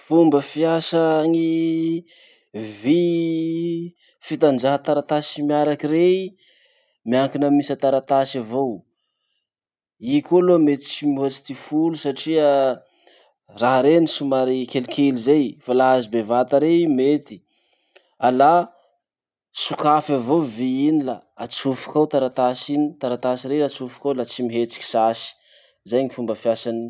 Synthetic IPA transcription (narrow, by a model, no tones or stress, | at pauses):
fumbəfiasaŋi | vi | fit̪and͡ʒaɦat̪aɾat̪asimiaɾakirei | miaŋkinəmisat̪aɾat̪asavow | ikʲolometimioat͡si̥t̪ifulusaʈ͡ʂiə | raɦɾenisumaɾikʲelikʰʲelizejfalaɦazibevat̪aɾemet̪i̥ | ala | sukafavoviinila | at͡sufu̥kawt̪aɾat̪asinit̪aɾat̪asiɾeat͡sufi̥kawlat͡simiɦet͡si̥kʲi̥sasi̥ | zajɲifumbəfjasani